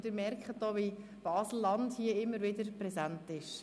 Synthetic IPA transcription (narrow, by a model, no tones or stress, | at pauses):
d̪əɾmɛɾkχət̚dɔːʋi | b̥ɑːsl̩lɑndhiəɪmːəɾʋɪdəɾprɛzantɪʃ